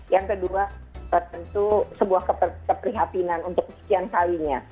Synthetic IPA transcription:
jaŋkəduat̪ərt̪ənt̪usəbuahkəpərkəpɾiɦat̪inanunt̪ʊk̚ːəsə̥kiankawiɲa

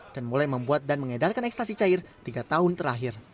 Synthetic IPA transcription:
d̥anmulajməmbuat̪̚danməŋedalkanɛkst̪asit͡ʃaɪrt̪iɡat̪aɦʊnt̪əɾaɦɪr

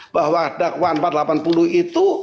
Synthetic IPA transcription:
b̥ahɦwadakwampat̪̚lapanpuluit̪u

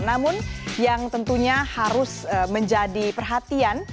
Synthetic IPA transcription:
namʊnjaŋt̪ənt̪uɲahaɾʊsəməɲd͡ʒadipərɦat̪ian

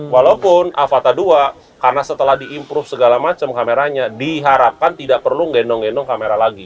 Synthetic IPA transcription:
walaupʊnʔafat̪adua | karnasət̪əlahdiʔːmpɾʊfsəɡalamat͡ʃamkameɾaɲadiɦaɾap̚kant̪idaʔpərluŋɡɛndɔŋɡɛndɔŋkameɾalaɡi

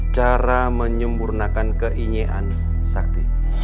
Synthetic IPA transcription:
t͡ʃaɾaməɲəmpurnakankəʔiɲeʔan | sak̚t̪i

